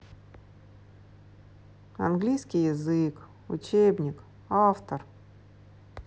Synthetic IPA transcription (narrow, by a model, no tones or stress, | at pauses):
ɐ̰nɡlʲijskʲɪjɪzɨk | ʊ̰t͡ɕebnʲɪk | aft̪ər